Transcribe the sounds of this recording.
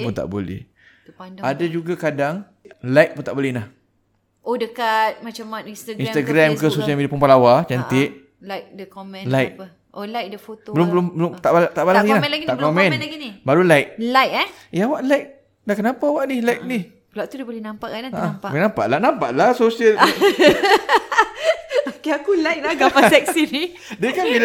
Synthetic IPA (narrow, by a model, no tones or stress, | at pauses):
punt̪a̰ʔbo̰lɛ̰h | paadad͡ʒuɡakadaŋ | lajʔ̚punt̪aʔbolɛhnah | odəkat̪̚mat͡ʃamaninst̪aɡint̪aɡɾamkəsosiamedapumpalawat͡ʃant̪ɪʔ | lajk̚dəkomɛ̃lajʔ̚ | olajk̚dəfot̪obəlʊmbəlʊmbəlʊmt̪aʔt̪aʔbalaɡinalaɡiakomɛ̃nɡinibaɾulajʔ̚lajk̚ajawaʔlajk̚ | lakənapawaʔnilajk̚nih | əlawt̪udəbolɛhnampaʔkanaaʔapaenampaʔlaʔnampaʔlasosiəl | okeakulajk̚laɡapasɛk̚sini | dəkanbil